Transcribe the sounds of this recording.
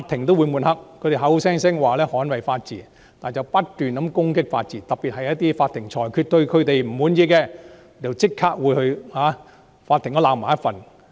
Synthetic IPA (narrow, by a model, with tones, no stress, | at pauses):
fa˧t̚t̪ʰɪ˨˩ŋt̪o˥wuː˨˧jmuː˨nhɐ˨k̚kʰɵ˨˧ɥt̪e˨˩ɦɐ˨˥wsɛː˥ŋsɛː˥ŋwaː˨˩lɛː˥hɔː˨˥nwɐ˨jfaː˧t̚t͡siː˨˩ | t̪aː˨nt͡sɐ˨˩wpɐ˥t̚t̪yː˨nkɐ˨˥mkʊ˥ŋkɪ˥k̚fa̰ː˧t̚t͡siː˨˩t̪ɐ˨p̚piː˨t̚hɐ˨jɐ˥t̚t̪iː˥faː˧t̪ʰɪ˨˩ŋt͡ʃʰɔː˨˩jkʰy˧t̚t̪ɵ˧ɥkʰɵ˨˧ɥt̪e˨jm̩˨˩wuː˨˥njiː˧kɛ˧ | t͡sɐ˨wt͡sɪ˥kʰːaː˥k̚wuː˨˧jhɵ˧ɥhaː˨˥ | faː˧t̪ʰɪ˨˩ŋɔː˨˥laː˨˧wm̩aː˨˩jɐ˥fɐ˨˩n